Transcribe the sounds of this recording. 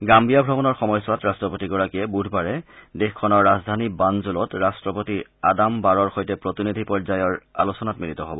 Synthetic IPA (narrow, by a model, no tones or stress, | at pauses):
ɡambijabʱɹɔbɔnɔɹxɔmɔjswatɹastɹɔpotiɡɔɹakijɛbudʱbaɹɛdexkʰɔnɔɹːazdʱanibanzulɔtɹastɹɔpotiadambaɹɔɹxojtɛpɹotinid̪ʱipɔɹzajɔɹa̰lusɔnatmilitɔɦo̰bɔ